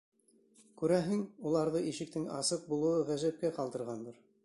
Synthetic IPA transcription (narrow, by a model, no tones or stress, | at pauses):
kʉɾæɦɘŋulˠɑɾðɤʔiʃɘ̆k̚t̪ɘŋɑ̰sɤq̚bulˠɤ̆wɤʁæʒæp̚kæqɑlˠd̪ɤ̆ɾʁɑnd̪ɤɾ